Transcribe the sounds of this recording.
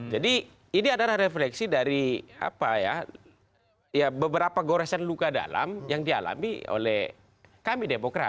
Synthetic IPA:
d͡ʒadi | iniadalahreflɛksidaɾia̰paja̰ | jabəbəɾapaɡoɾɛsanlukada̰la̰mjaŋdia̰la̰mḭo̰lɛh | kamidemokɾa̰

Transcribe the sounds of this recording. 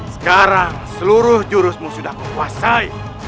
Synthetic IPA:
sə̥kaɾaŋsəluɾʊhd͡ʒuɾʊsmusudakəkuasai

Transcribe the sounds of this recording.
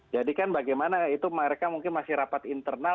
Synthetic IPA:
d͡ʒadikanbaɡajmanait̪uməɾekamuŋkɪnmasɪhɾapat̪int̪ərna

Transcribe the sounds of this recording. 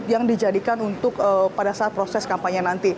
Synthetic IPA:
jaŋdid͡ʒadikanunt̪ʊkəpadasaat̪̚pɾosɛskampaɲanant̪i

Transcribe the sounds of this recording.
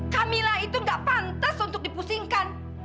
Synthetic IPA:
kamilahit̪uŋɡaʔpant̪asunt̪ʊk̚dipusiŋkan

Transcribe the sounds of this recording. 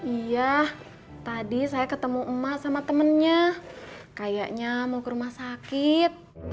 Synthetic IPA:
ija | t̪adisajakət̪əmuəmaʔsamat̪əmənɲa | kajaʔɲamakəɾumahsakɪt̪̚

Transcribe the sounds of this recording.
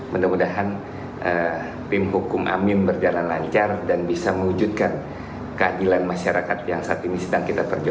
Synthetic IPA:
məndəmudaɦan | ʔə | t̪ɪmɦukʊmʔa̰mɪnbərd͡ʒalanlaɲt͡ʃardanbisaməud͡ʒut̪̚kan | kəadilanmaʃaɾakat̪jaŋsaːt̪inisədaŋkit̪apərd͡ʒ

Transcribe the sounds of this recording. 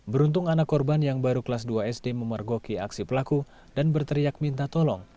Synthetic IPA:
bəɾunt̪ʊŋanakːɔrbanjaŋbaɾukəlasduaɛsdeməmərɡokia̰ksipəlaku | danbərt̪əɾijak̚mint̪at̪ɔlɔŋ

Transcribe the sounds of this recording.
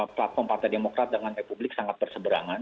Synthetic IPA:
plat̪̚fɔrmpart̪ajdemokɾat̪̚dəŋanrepublɪk̚saŋat̪̚bərsəbəɾa̰ŋan

